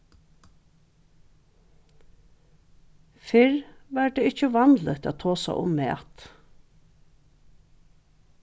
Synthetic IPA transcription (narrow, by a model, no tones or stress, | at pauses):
fɪɹʋæɾɖ̪eːɪt͡ʃəʋɑnlət̪a̰ːt̪ʰoːsæ̰ʔʊ̰mːḛːt̪